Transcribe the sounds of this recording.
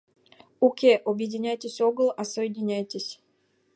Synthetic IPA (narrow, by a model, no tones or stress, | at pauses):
ukʲeʔobjedʲɪnʲæjtʲɪsʲoɡəlˠasojedʲɪnʲæjtʲesʲ